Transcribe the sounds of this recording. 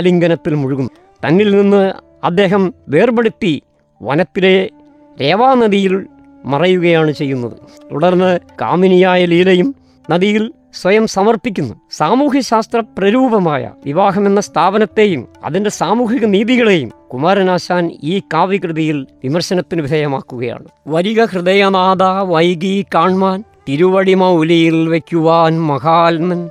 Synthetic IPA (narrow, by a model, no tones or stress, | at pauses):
liŋɡɐnɐt̪ːilmuɻuɣunː | t̪ɐnːilninːɨ | ɐd̪ːe̞ːɦɐmʋe̞ːrbɐɽup̪ːi | ʋɐ̰nɐt̪ːile̞ | ɾe̞ːʋaːnɐðijil | mɐrɐjuɣɐjaːɳɨt͡ɕe̞jːunːɐðɨ̰ | t̪ṵɽɐrnːɨka̰ːminijaːjɐlijile̞jum | nɐðijil | swɐjɐmsɐmɐrpik̬ʲːunːusaːmuːɦɐɕaːst̪rɐprɐɾuːbɐmaːjɐ̰ʋiʋaːɦɐme̞nːɐst̪ʰaːbɐnɐt̪ːe̞jumɐ̰ðinde̞saːmuːɦiɣɐniːðiɣɐɭe̞jumkumaːɾɐnaːɕaːniːkaːʋikrɨðɐjilʋimɐrɕɐnɐt̪ːinɨʋid̪ʱɐjɐma̰ːkːuɣɐja̰ːɳɨʋɐɾiɣɐkrɨðɐjɐnaːd̪aːʋɐjɡikaːɳmaːnt̪iɾuʋɐɽimɐulijilʋekʲːuʋaːnmɐɣaːlnɐn